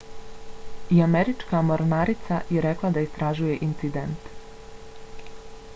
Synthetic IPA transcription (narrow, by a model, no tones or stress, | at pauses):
iameɾit͡ʃkamoɾnaɾit̪sajeɾe̞klˠad̪aist̪ɾaʒuje̞ʔint̪sid̪ent̪